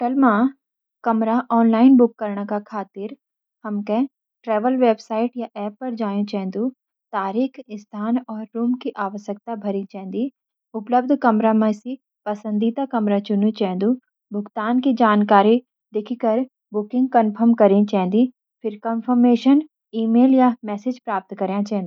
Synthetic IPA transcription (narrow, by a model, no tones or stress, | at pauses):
ʈɐlmã | kɐmɾaʔɔːnlaːɪnbʊkːɐɾɳakakʰaːt̪ɪɾ | hɐmke | ʈɾɛːʋəlʋeːbsaːɪʈjaʔɛːpːɐɾd͡ʒaːjũt͡ʃɛ̃ːnd̪u | t̪aːɾiːkʰɪst̪ʰaːnɔːɾːuːmkiʔaːʋəʃjək̚t̪abʱɐɾĩt͡ʃɛ̃ːnd̪i | ʊpləb̚d̪ʱkɐmɾamẽsi | pɐsə̃nd̪it̪akɐmɾat͡ʃʊnũt͡ʃɛ̃ːnd̪u | bʱʊɡt̪aːnkid͡ʒaːnkaːɾi | d̪ekʰikɐɾ | bʊkɪ̃ŋɡ̚kɐnpʰəɾmkɐɾĩt͡ʃɛ̃ːnd̪i | pʰɪɾkənfəɾmeːʃən | iːmeːljamɛːsɪd͡ʒpɾaːp̚t̪kɐɾjãt͡ʃɛ̃ːnd̪u